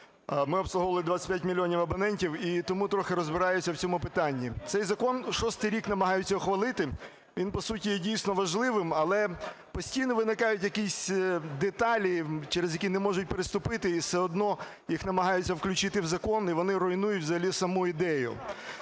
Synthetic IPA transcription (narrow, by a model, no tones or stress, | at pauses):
mɪɔbslˠʊɦɔʋɐlˠɪd̪ʋat͡sʲsʲɐ̥tʲpʲjatʲmʲilʲːiɔnʲiwɐbɔnɛnʲtʲiwit̪ɔmut̪ɾɔxɪɾɔzbɪɾɑjʊt͡sʲːɐwt͡sʲɔmʊpɪt̪ɑnʲːit̪sɛjzɐkɔnʃɔst̪ɪjɾʲiknɐmɐɦɑjʊt͡sʲːɐɔxʋɐlˠɪt̪ɪ | ʋʲinpɔsutʲijɛdʲijsʲnɔʋɐʒlˠɪʋɪmɐlˠɛpɔsʲtʲijnɔʋɪnɪkɑjʊtʲjɐkʲisʲd̪et̪ɑlʲit͡ʃɛɾezjɐkʲinɛmɔʒʊt̚ʲpeɾɪst̪ʊpɪt̪ɪːsɛɔd̪nɔ | jixnɐmɐɦɑjʊt͡sʲːɐwklʲʊt͡ʃɪt̪ɪwzɐkɔniʋɔnɪɾɔinujʊtʲwzɐɦɐlʲisɐmuid̪ɛjʊ̰